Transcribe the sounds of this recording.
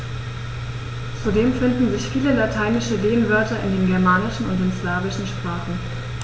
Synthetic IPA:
t͡sudeːmfɪndn̩zɪçfiːləlatʰaɪnɪʃəleːənvœɐtɐʔɪndeːnɡɛɐmaːnɪʃn̩ʊ̰ntɪnsv̥aːvɪʃn̩ʃpʁ̥aːχn̩

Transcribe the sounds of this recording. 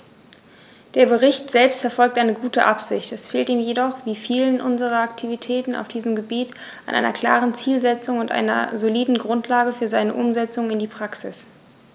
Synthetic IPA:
d̥eːɐbəʁɪçtz̥ɛlpstfɛɐfɔlk̚tʔaɪnəɡuːtəʔapz̥ɪ̰çtɛsfeːltiːmjedɔχv̥iːfiːlənʔʊnzəʁɐaktʰivitʰɛːtn̩a̰ʊfd̥iːzəmɡəbiːt | ʔanʔa̰ɪnɐkl̥a̰ːʁənt͡siːlzɛt͡sʊŋʊntʔa̰ɪnɐ̰zoliːdn̩ɡʁʊntʰlaːɡəfyːɐzaɪnəʔʊmzɛt͡sʊŋɪndiːpʁ̥aksɪs

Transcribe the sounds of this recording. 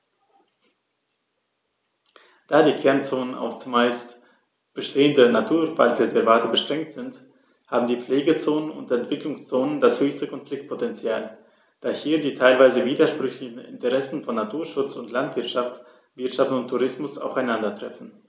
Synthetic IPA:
d̥aːdiːkʰɛɐnt͡soːnənʔa̰ʊxt͡sʊmːaɪst | b̥əʃteːəndənatʰuːɐv̥a̰ltʁezɛɐvaːtəbəʃtʁ̥ɛŋk̚tz̥ɪnt | haːbm̩diːp͡fleːɡət͡soːnənʊ̰ntɛntv̥ɪklʊŋst͡soːnəndashøːçstəkʰɔnflɪk̚t̚pʰotɛnt͡sjaːl | d̥aːhiːɐdiːtʰaɪlvaɪzəviːdɐʃpʁ̥ʏçlɪçn̩ɪ̰ntəʁɛsn̩fɔnːatʰuːɐʃʊt͡sʊntlantv̥ɪɐtʃaft | v̥ɪɐtʃaftʊntʰːuʁ̞ɪsmʊsa̰ʊfaɪnandɐtʁ̥ɛfn̩

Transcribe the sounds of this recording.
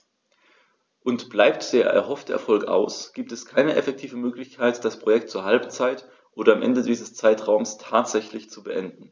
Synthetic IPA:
ʔʊntb̥laɪp̚td̥eːɐʔɛ̰ɐɦɔftəʔɛ̰ɐfɔlkʔa̰ʊsɡ̥iːp̚tɛskʰaɪnəʔɛfɛk̚tʰiːvəmøːklɪçkʰaɪtd̥aspʁ̥ojɛk̚tt͡suːɐɦalpt͡saɪt | ʔoːɾɐamʔɛ̰ndədiːzəst͡saɪtʁ̥aʊmstʰaːtz̥ɛçlɪçt͡subəʔɛndn̩

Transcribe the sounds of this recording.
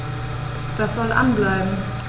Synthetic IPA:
d̥asz̥ɔlʔa̰nblaɪbm̩

